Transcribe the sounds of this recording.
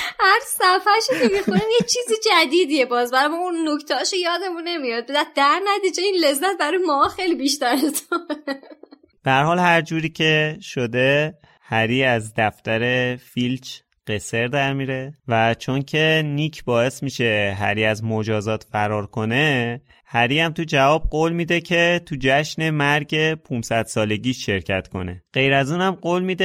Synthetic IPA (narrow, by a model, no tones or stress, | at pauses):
hæɾzsæfæɾʃokemixoɾinjet͡ʃʰiːzid͡ʒæd̪iːd̪ijebɒːzbæɾɒjmɒunːokt̪ʰɛʃojɒːd̪e̞munːe̞mijɒd̪̚be̞d̪æt̪̚d̪æɾnæt̪iːd͡ʒeinle̞zːæt̪̚bæɾɔjemɒːɒxejlibiʃt̪æɾeszo | b̥eæɾhɒːlhæɾd͡ʒuːɾiːcʰeʃod̪e̞ | hæɾiːæzd̪æft̪æɾe̞filt͡ʃ | ɢ̥e̞se̞ɾd̪æɾmiːɾe̞væt͡ʃʰo̞ncʰe̞niːcʰbɒːe̞smiːʃe̞ɦæ̰ɾiːæzmod͡ʒɒːzɒːt̪ʰfæɾɒːɾkʰo̞ne̞ | hæɾiːæmt̪ʰud͡ʒævɒːb̚ɢoːlmiːd̪ecʰe̞t̪ʰud͡ʒæʃne̞mæɾɟe̞pʰunsæd̪̥sɒːle̞ɟiːʃʃe̞ɾcʰæt̪kʰo̞̰ne̞̰ɢ̥e̞jɾæzuːnæmɢoːlmiːd̪e